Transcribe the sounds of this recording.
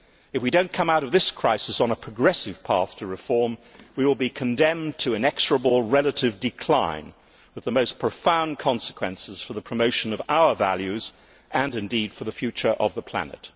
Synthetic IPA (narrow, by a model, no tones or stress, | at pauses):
ɨfwidõʊ̃nkʰʌ̃maʊɾʌvðɪskʰɹ̥aɪsɨsn̩əpʰɹ̥ɨɡɹɛsɨv̥pʰɑ̰ɹθtʰɨɹɨfɔɹmwiwəlˠbikʰɨ̃ndɛ̃mtʰɨɨ̃nɛksə˞əbl̩ˠɹɛlˠəɾɪvdɨkʰl̥ã̰ɪ̃n | wɨðəmoʊspʰɹ̥əfãʊ̃nkʰɑ̃nsə̥kʰwɛ̰̃nsɨz̥fə˞ðəpʰɹ̥ɨmoʊʃɨ̃nʌvaʊə˞væ̰lˠjʉz | ʔɨ̃nɨ̃ndid̥fə˞ðəfjʉt͡ʃə˞ʔʌvðəpʰl̥æ̰nɨ̰t̚